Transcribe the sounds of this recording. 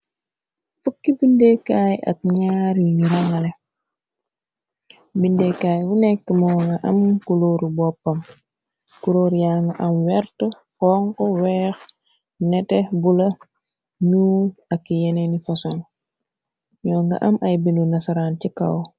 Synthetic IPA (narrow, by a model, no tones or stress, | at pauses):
fukːibindekaːjɐ̰k̚ɲaːɾimiɾaŋɐle | bindekːaːjwunɛkːimɔːŋɡɐʔɐmkuloːɾubɔpːɐm | kuɾoːɾjaːŋɡɐʔɐmwɛɾtə | kɔːŋkɔwɛːx | nɛtɛbulɐ | ɲuːɐkːijɛnɛnifɐsɐn | ɲɔːŋɡɐ̰ʔɐmɐjbinunɐsɐɾaːncikɐ̰w